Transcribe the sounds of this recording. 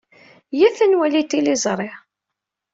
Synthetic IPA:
jæθənwælit̪ilizˤɾˤeʕ

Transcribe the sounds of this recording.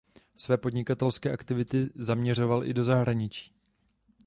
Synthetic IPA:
svɛːpo̞dɲɪkat̪ɛlskɛːʔakt̪ɪvɪt̪ɪzamɲɛr̝o̞valʔɪ̰do̞zaɦɾaɲɪt͡ʃi̥ː

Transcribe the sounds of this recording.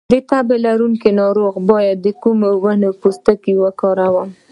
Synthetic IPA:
d̪ət̪abelaɾuŋkenɑɾoɣbɑjad̪ːəkumowanopust̪əkiwəkɑɾawəm

